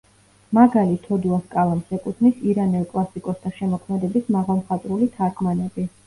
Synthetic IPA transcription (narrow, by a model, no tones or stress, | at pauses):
maɡalit̪ʰɔd̪uaskʼalˠamsɛkʼut̪ʰnisiɾanɛlˠkʼlˠasikʼɔst̪ʰaʃɛmɔkʰmɛd̪ɛbismaʁalˠmχat̪ʼɾulit̪ʰaɾkʰmanɛbi